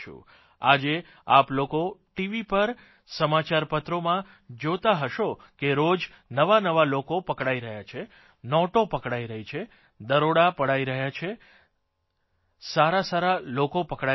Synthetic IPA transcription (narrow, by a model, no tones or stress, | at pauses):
ṵ | ad͡ʒe | aplokoʈiʋipəɾ | səmat͡ʃaɾpət̪ɾomã | d͡ʒot̪aɦəʃo | keɾod͡ʒ | nəʋanəʋalokopəkɽaiɾəɦjat͡ʃʰe | nɔʈopəkɽaiɾəɦit͡ʃʰe | d̪əɾoɽapəɽaiɾəɦjat͡ʃʰe | saɾasaɾalokopəkɽa